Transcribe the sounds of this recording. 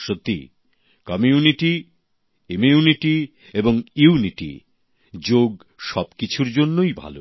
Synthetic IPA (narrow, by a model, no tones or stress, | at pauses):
ʃot̪ːḭ | kɔmiuniʈi | imiuniʈi | eboŋiuniʈḭ | d͡ʑoɡ | ʃɔbkit͡ɕʰuɾd͡ʑonːojbʱa̰lo̰